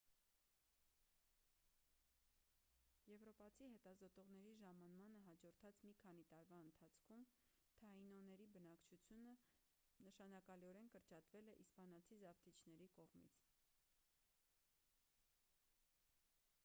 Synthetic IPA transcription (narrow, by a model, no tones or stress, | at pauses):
jɛvɾɔpɑt͡sʰiɦɛt̪ɑzɔt̪ɔʁn̪ɛɾiʒɑmɑnmɑnəɦɑd͡ʒɔɾt̪ʰɑt͡smikʰɑn̪it̪ɑɾvɑənt̪ʰɑt͡sʰkʰum | t̪ʰɑinɔnɛɾibənɑkt͡ʃʰut͡sʰjunə | nəʃɑnɑkɑliɔɾɛnkəɾt͡ʃɑt̪vɛlɛʔispɑnɑt͡sʰizɑft̪ʰit͡ʃʰnɛɾikɔʁmḭt͡sʰ